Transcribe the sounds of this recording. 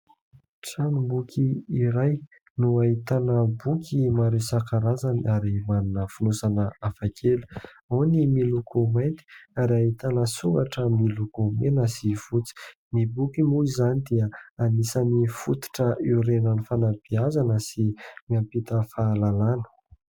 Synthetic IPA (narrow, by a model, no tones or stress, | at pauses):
ʈ͡ʂanumbukʲʰiːɾaj | nuait̪anəbukʲʰimaɾesakaɾazanaɾimaninəfunusanəafakʰelu̥ | awnimilukʰoment̪i̥aɾiait̪anəsuŋɡaʈ͡ʂəmilukomenəsiv̥ut͡si̥ | nibukimuizanid̪iəanisanifut̪i̥ʈ͡ʂəʔiɾenənifanabiazanəsimiampit̪əfaːlalanə̥